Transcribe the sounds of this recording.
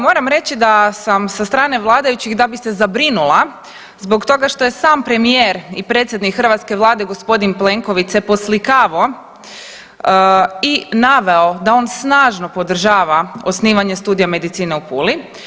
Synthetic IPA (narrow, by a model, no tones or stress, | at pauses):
mo̞ɾamɾe̞t͡ɕid̪asamsast̪ɾaːne̞ʋlˠaːd̪ajut͡ɕiɣd̪abise̞zabɾinulˠa | zbo̞kt̪o̞ɡaʃt̪o̞je̞saːmpɾe̞mijeːɾipɾet̪sʲje̞d̪nikxər̩ʋat̪ske̞ʋlˠaːd̪e̞ɡo̞spo̞d̪inple̞ŋko̞ʋit̪se̞po̞slikaːʋo | inaʋe̞o̞d̪ao̞ːnsnaːʒno̞po̞d̪r̩ʒaːʋao̞sniːʋaɲe̞st̪uːd̪ijame̞d̪it̪siːne̞upuli